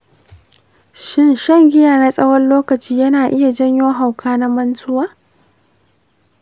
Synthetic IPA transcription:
ʃɪ˦nʃɐ˦˨ŋɡʲɪ˦jaː˨na˦sʼɐ˦wɐ˦nloː˦kɐ˨t͡ʃiː˦jɐ˦naː˨ʔɪ˦ja˨d͡ʒɐ˦ɲjoː˦ɦa˨wkʰaː˦na˦mɐ˦ntʊ˦waː˦

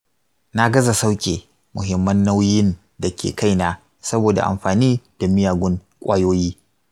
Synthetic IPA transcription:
na˦ɡɐ˦za˨sa˦wkʲʼḛː˨ | mʊ˨ɦɪ˨mːɐ˦nːa˦wjɪ˦n | da˨kʲʰḛː˨kʰa˦˨jnaː˦ | sɐ˦boː˨da̰˨ʔa̰˨mɸaː˨niː˦d̥a˨mɪ˦jaː˨ɡʷʊ˦ŋ | kʷʼaː˦joː˦jiː˦

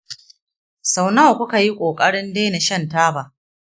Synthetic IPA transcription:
sa˨wna˦wkʷʊ˦ka˨ji˦kʷʼoː˨kʼɐ˦ɽɪ˦ndeː˦na˨ʃɐ˦˨ntaː˦baː˨ʔ

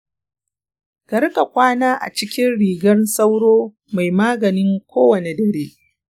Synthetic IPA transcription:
ɡɐ˦ɾkʼa˨kʷaː˦naː˦ʔa̰˨t͡ʃɪ˦kʲɪ˦nɽiː˨ɡɐ˦nsa˦wɽoː˦ | ma˨jmaː˦ɡɐ˨nɪ˦ŋkʷoː˦wɐ˨ne˨dɐ˨ɽeː˦

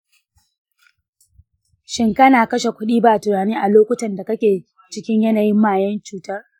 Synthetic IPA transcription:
ʃɪ˦ŋkɐ˦naː˨kɐ˦ʃe˨kʷʊ˦ɗiː˦baː˨tʊ˨naː˨niː˦ʔa˨loː˦kʷʊ˦tɐ˨nda˨kɐ˦kʲeː˨ | t͡ʃɪ˦kʲɪ˦ɲjɐ˦naː˨jɪ˦mːaː˨jɐ˦nt͡ʃuː˨ta˦r

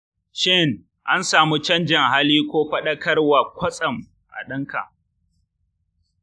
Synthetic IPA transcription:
ʃɪ˦ŋ | ʔa˦nsaː˨mu˦t͡ʃɐ˦nd͡ʒɪ˨ŋɦa˦liː˦kʷoː˦ɸɐ˦ɗɐ˦kɐ˦rwa˨kʷɐ˦sʼɐ˨m | ʔa̰˨ɗɐ˦ŋka̰˨ʔ

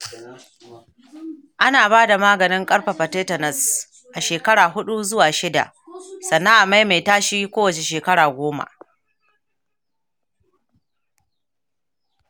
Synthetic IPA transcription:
ʔa˦naː˨baː˦da˨maː˦ɡɐ˨nɪ˦ŋkʼɐ˦ɽɸa˨ɸɐ˨teː˦tɐ˨nɐ˨s | ʔa˨ʃeː˨kɐ˦ɽaː˨ɦʊ˦ɗu˦zʊ˦waː˨ʃɪ˦da̰˨ʔ | sɐ˨nːa˦ŋʔa˨ma˦jma˨jtaː˦ʃiː˦kʷoː˦wɐ˨t͡ʃe˨ʃeː˨kɐ˦ɽaː˨ɡʷoː˦ma̰˨

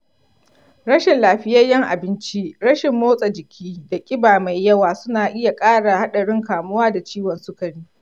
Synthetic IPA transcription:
ɽɐ˦ʃɪ˨nlaː˨ɸɪ˦jɐ˦jɐ˦ŋʔa̰˨bɪ˦nt͡ʃi˦ɽɐ˦ʃɪ˨mːoː˦sʼa˨d͡ʒɪ˨kʲʰiː˦da˨kʲʼɪ˦baː˨ma˨jjːɐ˦waː˨sʊ˦naː˨ʔɪ˦ja˨kʼaː˦ɽa˨ha˦ɗɐ˨ɽɪ˦ŋkaː˨mʊ˦waː˦da˨t͡ʃiː˦wɔ˨nsʊ˦kɐ˨ɽiː˦

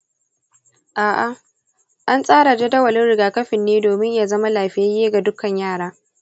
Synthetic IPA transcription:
ʔaː˨ʔa˨ | ʔa˦nsʼaː˦ɽa˨d͡ʒa˦dɐ˦wɐ˨lɪ˦nɽɪ˨ɡaː˨kɐ˦ɸɪ˨nːeː˦doː˨mɪ˦ɲjaː˨zɐ˦ma˦laː˨ɸɪ˦ja˦jeː˦ɡa˨dʊ˦kɐ˨ɲjaː˦˨ɽaː˦

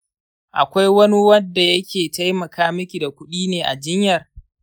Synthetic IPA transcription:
ʔa̰˨kʷa˦jwɐ˦ni˦wɐ˦dːa˨jɐ˦kʲʰeː˨ta˦jmɐ˨kʰaː˦mɪ˦kʲi˨da˨kʷʊ˦ɗiː˦neː˨ʔa̰˨d͡ʒɪ˦ɲjɐ˨r

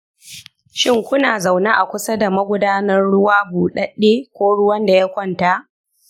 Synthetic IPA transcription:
ʃɪ˦ŋkʷʊ˦naː˨za˨wna˦ʔa˨kʷʊ˦sɐ˦da˨mɐ˦ɡʷʊ˦daː˦nɐ˦rɽʊ˦waː˦buː˨ɗɐ˦ɗeː˦kʷoː˦ɽʊ˦wɐ˦nda˨ja˦kʷɔ˦˨nta˦ʔ

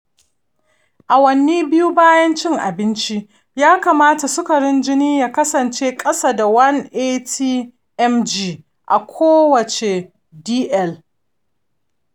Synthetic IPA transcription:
ʔa˨wɐ˦nːiː˦bɪ˦ju˦baː˦jɐ˦nt͡ʃɪ˦ŋʔa̰˨bɪ˦nt͡ʃi˦ | jaː˦kaː˨maː˦ta˨sʊ˦kɐ˨ɽɪ˦nd͡ʒɪ˦niː˦ja˨kɐ˦sɐ˨nt͡ʃeː˦kʼɐ˦saː˨da˨wɐ˦nʔeː˦tʰiː˦ | ʔɛ˦md͡ʒiː˦ | ʔa˨kʷʰoː˦wɐ˨t͡ʃe˨ | diː˦ʔɛ˦˨l

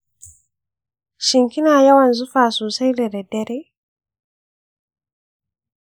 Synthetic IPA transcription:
ʃi˨ŋki˦na˨ja˦wa˨nzu˦fa˨su˨sa˦i˦lɛ˨ɾɛ˨dɛ˦ɾɛ˦

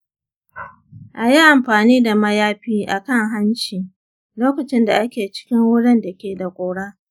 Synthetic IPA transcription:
ʔa˨ji˦ʔa˨mɸaː˨niː˦da˨mɐ˦jaː˦ɸiː˦ʔa˨kɐ˦˨ŋɦa˦nt͡ʃiː˨ | loː˦kɐ˨t͡ʃɪ˦nda˨ʔa˦kʲeː˨t͡ʃɪ̥˦kʲɪ˦ŋwʊ˦ɽɪ˦nda˨kʲeː˨da˨kʷʼoː˨ɽaː˦

